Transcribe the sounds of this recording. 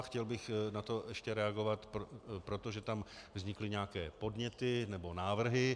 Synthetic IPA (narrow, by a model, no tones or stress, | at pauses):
xcɛlbɪxnat̪o̞ɛʃcɛɾɛaɡo̞vat̪ppɾo̞t̪o̞ʒɛt̪amvzɲɪklɪɲɛakɛːpo̞dɲɛt̪ɪnɛbo̞naːvr̩ɦɪ